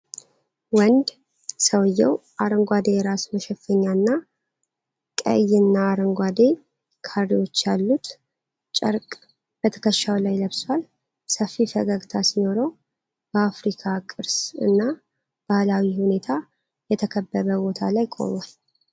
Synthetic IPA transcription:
wənd̪ | səwjːɛwʔaɾəŋɡʷad̪e̞jɛɾasməʃɛfəɲːanːa | kʼə̰jːɨnːaːɾəŋɡʷad̪e̞ | kʰarːiwo̞t͡ʃːjalːut̪ | t͡ʃʼəɾkʼ | b̥ət̪ʰə̥kʰəʃːawlajləβswal | səfːifəɡaɡt̪ʰasino̞ɾəw | b̥əafɾikʰakʼɨɾsɨ̰nːa | b̥ahlawihune̞t̪ʰa | jɛt̪ʰəkʰəbːəβəbo̞t̪ʰa̰lajkʼo̞̰mal

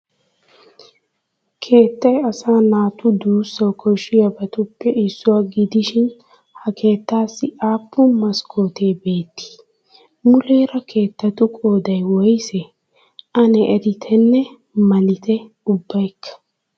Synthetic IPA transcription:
kʰe̞ːt̪ːɐjɐsaːnaːt̪ʊd̪uːsːɐwkɔʃɪjɐbɐt̪ʊpːɛʔɪsːʊwaːɡɪd̪ɪʃɪn | hɐkʰe̞ːt̪ːaːsːɪaːpːʊmɐskʰo̞ːt̪e̞ːbe̞ːt̪ːɪ̥ | mʊleːɾɐkʰe̞ːt̪ːɐt̪ʊkʼo̞ːd̪ɐjwɔjsɛ | ʔɐnɛʔɛd̪ɪt̪ʰɛnːɛ | mɐlɪt̪ɛ | ʊbːɐjkʰːɐ̥

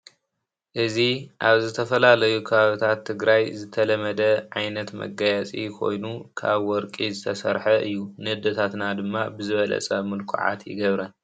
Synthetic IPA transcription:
ʔɨziʔaβzɨt̪ʰɐfɐlalɐjukʰɐβaβit̪ʰat̪ʰːɨɡɾajzɨt̪ʰɐlɐmɐd̪ɐʕajnɐt̪mɐ̰ɡajat͡sʼḭkʰo̞̰jnukʰaβwɔɾkʼizɨt̪ʰɐsɐɾħɐʔɨjːunɨhɨd̪ɐt̪ʰat̪nad̪ɨmːabɨzɨβɐlɐ̰t͡sʼɐmɨlkʰṵʕa̰t̪jɪ̰ɡɐβɾɐn

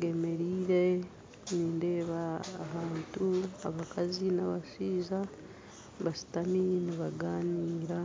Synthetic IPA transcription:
ɡeme̞ɾiːɾe | niːnde̞ːβaːhaːntua̰βakazinaβaʃiːza | βasi̥taminiβaɡaːniːɾa

